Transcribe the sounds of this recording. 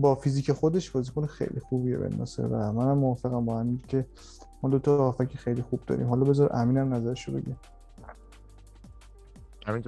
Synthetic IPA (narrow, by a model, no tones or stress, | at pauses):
bɒːfiziːcʰexod̪e̞ʃbɒːzikʰonexḛjlʔḭxubiebḛnːɒ̰sḛvæmænhæmːoɒfeɣæmbɒːhæmiɡcʰe̞ | mɒd̪ot̪ʰɒːfæcʰixejlixub̚d̪ɒ̰ɾḭːmhɒlɒbe̞zɒɾ̰ʔæmiːnæmnæzæɾeʃobe̞̰ɟe | hæmit̪